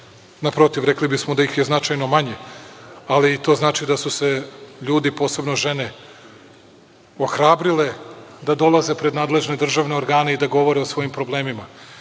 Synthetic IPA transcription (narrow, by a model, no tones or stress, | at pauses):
napɾo̞t̪iʋɾeklibismod̪aixjeznat͡ʃajno̞maɲe̞ | aliːt̪o̞ːznaːt͡ʃid̪asuse̞ʎuːd̪ipo̞ːse̞bno̞ʒe̞ne̞ | o̞xɾaːbɾile̞d̪ad̪o̞lˠaze̞pɾe̞d̪naːd̪le̞ʒne̞d̪r̩ʒaʋne̞o̞ɾɡaːne̞id̪aɡo̞ʋo̞ɾe̞o̞sʋo̞jimpɾo̞ble̞ːmima